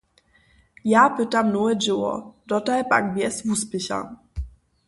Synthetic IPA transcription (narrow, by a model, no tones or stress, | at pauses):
japɘtamnuɛd͡ʒɘwɔ̰dɔtajpa̰ɡ̚bjɛsvuspɘɕa̰